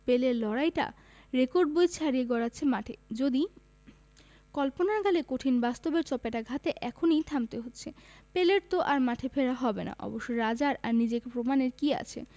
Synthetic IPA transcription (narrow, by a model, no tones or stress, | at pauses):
peleɾlɔɾajʈa̰ | ɾekoɾɖ̚bojt͡ɕʰaɾieɡɔɾatːɕʰemaʈʰed͡ʑod̪i | kɔlponaɡalekoʈʰinbast̪obeɾt͡ɕɔpeʈaɡʱat̪eʔɛkʰonijt̪ʰamt̪eɦotːɕʰepeleɾt̪oʔaɾmaʈʰefeɾaɦɔbena̰ʔɔ̰boʃːojɾad͡ʑaɾaɾnid͡ʑekpɾomaneɾkia̰t͡ɕʰḛ